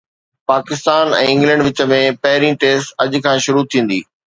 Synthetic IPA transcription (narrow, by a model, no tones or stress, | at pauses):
paːkɪst̪aːnɛ̰̃ːɪ̃ŋɡlɛ̃ɳɖʋɪt͡ɕə̆mẽpɐɦɪɾĩʈeːsʈɐʄ̆kʰãːʃʊɾut̪ʰĩːn̆d̪ḭː